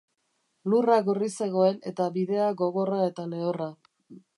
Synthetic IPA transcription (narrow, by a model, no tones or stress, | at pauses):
luraɣorise̞ɣ̞o̞e̞ne̞t̪aβiðe̞aɣo̞ɣ̞o̞rae̞t̪ale̞ora